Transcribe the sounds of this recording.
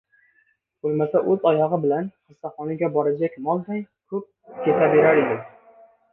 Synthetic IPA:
b̥olˠmasaʔɵzɒjɒʁɨbɪlanχɨsːaχɒnɪɡʲabɒɾad͡ʒakʲmɒlˠd̪ajkʰɵp̚kʲʰe̞t̪ʰabe̞ɾaɾed̪ɪm

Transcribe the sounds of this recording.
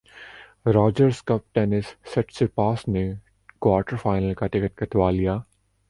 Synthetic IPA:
ɾaːd͡ʒəɾskɐp̚ʈɛːnɪsːɐʈsepaːsne | kwaːɾʈəɾfaːɪnəlkat̪ɪkət̪kɐt̪ʋaːlijaː

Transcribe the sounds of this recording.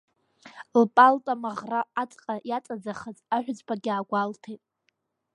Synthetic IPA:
lpʼaltʼamaʁraːt͡sʼqʼajat͡sʼad͡zaχəzaħᶣʷd͡zbaɡʲaːɡʷaltʰejtʼ

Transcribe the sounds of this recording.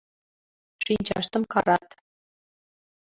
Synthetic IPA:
ʂinʲd͡ʑɑ̰ʂt̪ɤ̆mkɑɾɑt̪

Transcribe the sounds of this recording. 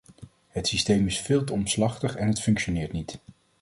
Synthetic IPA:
ɦətsistejmɪsfɪːlˠtəɔmslɑχtəχɛnɦətfɵŋkʃonɪːɹtnit

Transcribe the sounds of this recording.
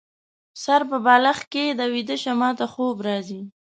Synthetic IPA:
saɾpəbɑlaxked̪awid̪əʃamɑt̪axobɾɑzi

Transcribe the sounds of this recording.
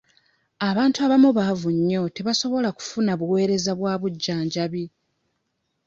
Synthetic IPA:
aβaːntuaβamuβavuɲːo̞te̞βaso̞βo̞laku̥funaβuwe̞ːɾe̞zaβwaːβuɟːaːɲɟaβi

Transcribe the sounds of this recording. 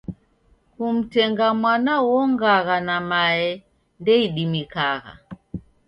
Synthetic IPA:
kum̩tɛŋɡamwanawɔŋɡaɣanamaɛ | ndɛiɗimikaɣa̰

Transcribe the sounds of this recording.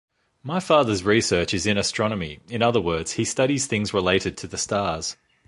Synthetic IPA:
maɪfɑːðəzɹisɜˑ˞t͡ʃɨzɨ̃nɨstɹ̥ɑnəmḭɨ̃nʌðəwɜ˞dz̥histʌɾiz̥θɪ̃ŋzɹəleɪɾɨd̚tʰɨðɨstɑːz̥

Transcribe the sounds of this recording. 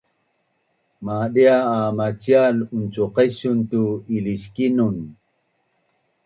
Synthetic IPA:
maɗiaːmat͡sialunt͡suqesuntuiliskinun

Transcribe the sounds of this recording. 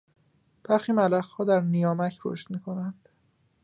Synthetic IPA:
b̥æɾxiːmælæɣhɒːd̪æɾnijɒːmæcʰɾo̰ʃt̪miːkʰo̞nænd̪̥

